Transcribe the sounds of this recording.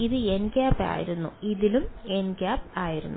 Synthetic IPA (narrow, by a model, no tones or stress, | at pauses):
iðɨenɡaːpːa̰ːjḭɾunːṵiðilume̞nɡaːp̚aːjiɾṵnːu